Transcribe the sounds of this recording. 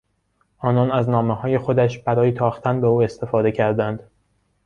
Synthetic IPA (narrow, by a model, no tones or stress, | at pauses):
ʔɒːnɒːnæznɒːmehɒːje̞xo̞d̪æʃbæɾɒːjet̪ʰɒːxt̪ʰænbe̞uːe̞st̪e̞fɒːd̪e̞cʰæɾd̪ænd̪̥